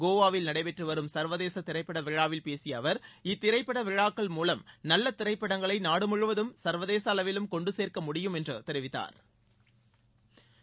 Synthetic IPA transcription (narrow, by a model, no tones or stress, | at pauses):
ɡoːʋaːʋɪlnɐɽɐɪpɛʈrɯʋɐɾɯmsɐɾʋɐðeːsɐt̪ɪɾɐɪpːɐɽɐʋɪɻaːʋɪlpeːsɪjɐʋɐɾɪt̪ːɪɾɐɪpːɐɽɐʋɪɻaːkːɐɭmuːlɐmnɐlːɐt̪ːɪɾɐɪpːɐɽɐŋɡɐɭɐɪnaːɽɯmʊɻɯʋɐðɯmsɐɾʋɐðeːsɐlɐʋɪlɯmkɔɳɖɯseːrkɐmʊɽɪjɯmɛndrɯt̪ɛɾɪʋɪt̪ːa̰ːɾ